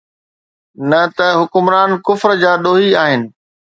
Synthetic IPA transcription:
nɐt̪ɐɦʊkʊmɾaːnkʊfɾd͡ʑaːɗoːɦiaːɦɪnɪ̆

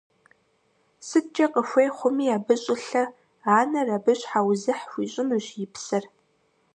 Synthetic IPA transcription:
sɨt̚t͡ʃʼɐqəxʷejχʷʊmiːaːbɨɕʼɪɬɐ | aːnɐrabɨɕħawzɨħɕʷiːɕʷʼɪnɨɕjɪpʰsɐr

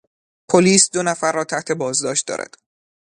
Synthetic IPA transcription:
pʰoliːsd̪o̞næfæɾːɒːt̪ʰæht̪ʰe̞bɒːzd̪ɒːʃt̪̚d̪ɒ̰ːɾæ̰d̪̥

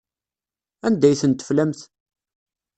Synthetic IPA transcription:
ænd̪æjθənt̪ːə̥flæmθ

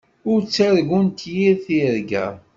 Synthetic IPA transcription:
ʊɾt͡sːæɾɡunt̪jiɾθiɾɡæ̰

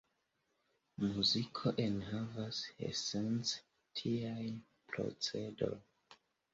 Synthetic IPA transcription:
muzikʰoʔenhavasḛsent͡s | tʰiaj | pɾo̰t͡sedo̰l

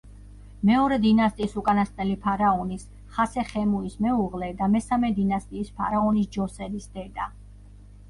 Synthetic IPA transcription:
mɛɔɾɛd̪inast̪ʼiːsukʼanast̪ʼnɛlipʰaɾaɔnis | χasɛχɛmuismɛuʁlɛd̪amɛsamɛd̪inast̪ʼiːspʰa̰ɾaɔnisd͡ʒɔsɛɾisd̪ɛd̪a

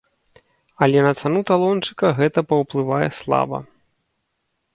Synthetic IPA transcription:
ɐlʲɛnɐt̪sanut̪alˠɔnt͡ʂɨ̥kɐɣɛt̪ɐpɐwplˠɨvajɛ̰slˠa̰bɐ̰

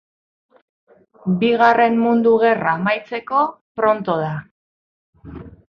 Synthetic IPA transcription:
biɣare̞mmund̪uɣe̞raːmajt͡se̞ko̞ | pɾo̞nt̪o̞ð̞a

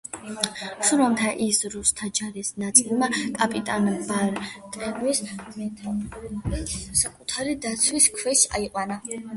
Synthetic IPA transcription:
ʃuɾamt̪ʰaʔisɾust̪ʰad͡ʒaɾisnat̪sʼilˠmakʼapʼit̪ʼanbaɾt̪ʼɾɛnwismɛt̪ʰ | sakʼut̪ʰaɾid̪at̪sʰwiskʰwɛʃa̰iqʼwana

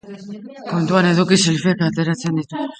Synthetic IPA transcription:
ko̞nt̪uane̞ðukisilfekat̪eɾat͡se̞nd̪it̪u

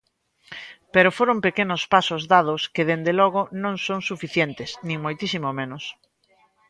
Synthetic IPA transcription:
peɾofoɾompekenʊspasʊzðað̞ʊskɪðend̪elɔɣ̞ʊnõŋsoŋsufiθjent̪ɪsnĩŋmojt̪isimomenʊs

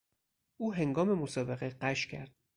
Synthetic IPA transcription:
ʔuːɦe̞ŋɡɒːme̞mosɒːbeɣeɢæʃcʰæ̰ɾd̪̥̚

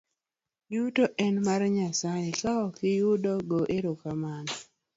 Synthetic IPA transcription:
jutoʔɛnmarɲasajekaɔkɪjʊdɔɡoʔeɾokaman

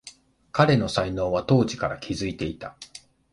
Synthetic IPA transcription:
kaɾe̞no̞saino̞ːβat̪o̞ːʑikaɾakʲʰizɨit̪e̞it̪a

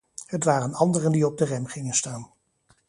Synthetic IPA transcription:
ɦətʋaːrənɑndərəndiɔb̚dərɛmχɪŋənstaːn

